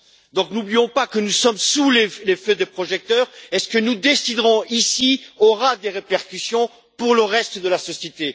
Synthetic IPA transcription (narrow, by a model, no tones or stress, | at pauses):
d̪ɔ̃knublijɔ̃pakənusɔmsulelefød̪epχɔʒɛk̚t̪œːʁɛskənud̪esid̪ʁɔ̃isiɔʁad̪eʁepɛʁkʲysjɔ̃ | puʁləʁɛst̪d̪əlasɔsjet̪e